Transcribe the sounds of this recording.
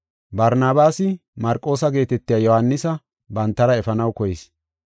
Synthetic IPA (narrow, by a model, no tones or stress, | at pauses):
bɐɾnaːbaːsɪmɐɾkʼːo̞ːsɐɡe̞ːt̪ɛt̪ːɪjɐːjɔhɐnːɪsɐ | bɐnt̪ːɐɾɐɛfɐnɐwkɔjɛs